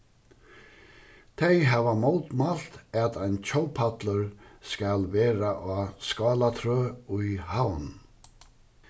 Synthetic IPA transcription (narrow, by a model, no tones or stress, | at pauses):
t̪ʰejɦɛːvamowt̪malt̪ɛt̪ajnt͡ɕʰowpʰat̪ləɾskalvɛːɾaʔaskɑːlat̪ʰɾøːujhawn